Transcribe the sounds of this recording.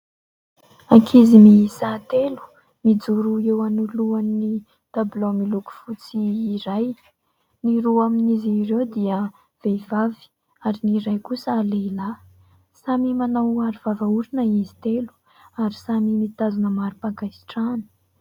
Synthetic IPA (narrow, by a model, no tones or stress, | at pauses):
akʰizimisat̪elu̥ | mid͡zuɾuewanuluanːi | d̪̥ablomiluku̥fut͡siːɾaj | niɾuaminizirewd̪iə | v̥evavi̥ | aɾiniɾajkusəːleila | samimanawaɾivavauɾinəizi̥t̪elu̥ | aɾisamimit̪azunəmaɾipakajsi̥ʈ͡ʂanə̥